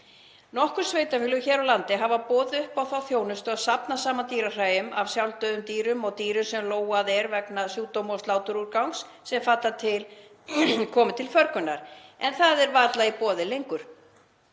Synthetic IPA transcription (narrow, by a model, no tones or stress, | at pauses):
nɔhkʏɾ̥sveːjt̪afɪlʏçɛːɾawlant̪ɪɦavapɔːðʏhpawθawθjoːwnʏst̪ʏaðsapnasaːmat̪iːɾar̥aːjʏmavsjawlt̪œːðʏmt̪iːɾʏmɔɣt̪iːɾʏsɛmloːwaðɛɾvɛknasjuːt̪owmɔst̪laːwt̪ʏɾuɾkawŋksːɛmfat̪lat̪ʰɪl | kʰɔːmɪt̪ʰɪlfœɾkʏnːaɾ̥ɛnθaðɛɾvaːt̪laipɔːðɪlejŋkʏɾ̥